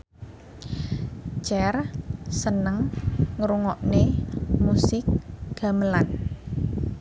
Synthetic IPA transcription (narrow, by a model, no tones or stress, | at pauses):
t͡ʃɛrsənəŋŋɾuŋɔʔnemusɪk̚ɡ̥a̤məlan